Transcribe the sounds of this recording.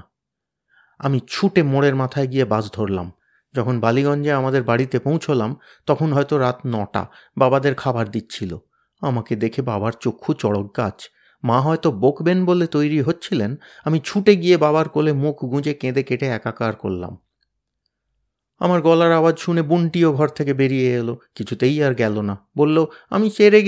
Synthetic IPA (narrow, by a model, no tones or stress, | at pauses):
amit͡ɕʰuʈemoɽeɾmat̪ʰaeɡiebad͡ʑd̪ʱoɾla̰m | d͡ʑɔkʰonbaliɡɔnd͡ʑeamad̪eɾbaɽit̪epõw̃t͡ɕʰolam | t̪ɔkʰonɦɔet̪oɾat̪nɔʈa̰babad̪eɾkʰabaɾd̪it̪ːt͡ɕʰilo̰ | amaked̪ekʰebabaɾt͡ɕokʰːut͡ɕɔɽok̚ɡad͡ʑ | maɦɔet̪obokbenbolet̪ojɾiɦotːɕʰilenamit͡ɕʰuʈeɡijebabaɾkolemukʰɡũd͡ʑekẽd̪ekeʈeɛkakaɾko̰lːa̰m | a̰maɾɡɔlaɾabad͡ʑʃunebuɳʈioɡʱɔɾt̪ʰekebeɾijeelokit͡ɕʰut̪ejaɾɡɛlonabolːoa̰miʃeɾe